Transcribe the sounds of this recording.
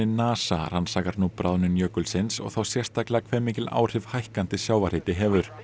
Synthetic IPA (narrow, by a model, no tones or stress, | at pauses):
ɪnaːsa̰r̥ansaːkaɾnupɾaðnʏnjœːkʏlsɪnsɔ̰ɣθawsjɛr̥st̪aklɛɣakʰvɛːɾmiːcɪla̰ːwr̥ɪv̥hajhkant̪ɪsjaːwvar̥ɪːt̪ɪɦɛːvʏɾ̥